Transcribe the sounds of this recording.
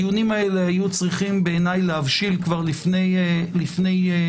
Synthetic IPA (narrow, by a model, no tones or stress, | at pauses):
junimaelehajut͡sʁiχimbe̞ːnajlehavʃilkvaʁlifnelifne̞j